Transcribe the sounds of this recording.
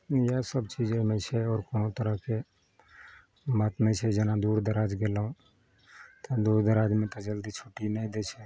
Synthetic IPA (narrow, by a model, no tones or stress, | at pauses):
jasəbt͡ʃiːd͡ʒemẽt͡ʃʰɛɔːɾkoːnot̪əɾəɦke | mət̪nəĩt͡ʃʰɛd͡ʒənãd̪uːɾd̪əɾaːd͡ʒɡelũ | t̪ed̪uːɾd̪əɾaːd͡ʒmẽt̪od͡ʒəld̪it͡ʃʰoːʈinəĩd̪et͡ʃʰɛ